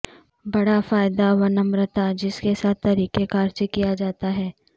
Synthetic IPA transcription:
bɐɽafaːɪd̪aʋɐnɐmɾət̪ad͡ʒɪskesaːt̪ʰːɐɾiːkekaːɾt͡ʃekijad͡ʒaːt̪aɦɛː

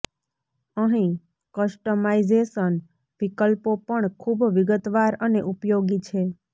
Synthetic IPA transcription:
əɦĩ | kəsʈəmaizeʃən | ʋikəlpopəɳkʰubʋiɡət̪ʋaɾəneʔupjoɡit͡ʃʰe

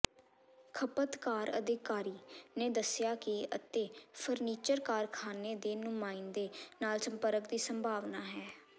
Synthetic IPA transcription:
kʰəpət̪kaːɾə̰d̪ɪkaːɾiːneːd̪əsɪjaːkɪət̪eːpʰəɾniːt͡ʃəɾkaːɾkʰaːneːd̪eːnʊmaːind̪eːnaːlsə̃mpəɾəkd̪iːsəmbʱaːʋnaːɦɛː

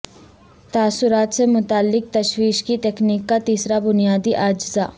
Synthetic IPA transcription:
t̪aːsʊɾaːt̪semʊt̪aːlːɪk̚t̪ɐʃwiːʃkit̪eːkniːkːat̪iːsɾabʊnijaːd̪iʔaːd͡ʒzaː

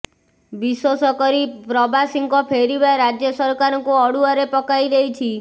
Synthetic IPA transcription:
biswosɔkɔɾipɾɔbasiŋkɔpʰeɾibaɾad͡ʒjɔsɔɾkaɾɔŋkuɔɽuaɾepɔkajɾeɦit͡ʃʰi

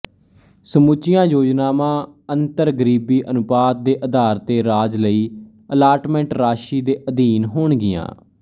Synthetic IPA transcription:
səmut͡ʃɪjãːjoːd͡ʒnaːmãːənt̪əɾɡəɾiːbiːʔənʊpaːt̪̚d̪eːʔəd̪aːɾt̪eːɾaːd͡ʒləiː | əlaːɾʈmɛ̃ɳʈɾaːʃiːd̪eːʔəd̪iːnɦoːɳɡɪjã̰ː

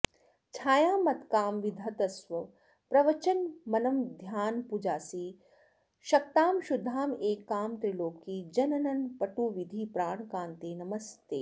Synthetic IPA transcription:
t͡ʃʰaːjaːmɐt̪kaːmʋid̪ʱɐt̪ɐsʋɐ | pɾɐʋɐt͡ʃɐnmɐnɐmd̪ʱjaːnpud͡ʒaːsiː | ʃɐk̚t̪aːmʃud̪ʱːaːmeːkːaːmt̪ɾiloːkːid͡ʒɐnɐnɐnpɐʈuːʋid̪ʱipɾaːɳkãːnt̪eːnɐmɐst̪eː

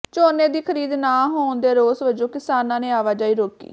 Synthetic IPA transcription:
t͡ʃoːneːd̪iːkʰəɾiːd̪naːɦoːnd̪eːɾoːsʋəd͡ʒõːkɪsaːnãːneːaːʋaːd͡ʒaːiːɾoːkḭː

